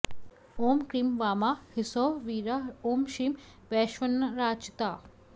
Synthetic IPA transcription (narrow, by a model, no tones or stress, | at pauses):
oːmkɾimʋaːmaːhɪsoʋiːɾaoːmʃiːmʋɛːʃʋɐnːɐɾaːt͡ʃt̪aː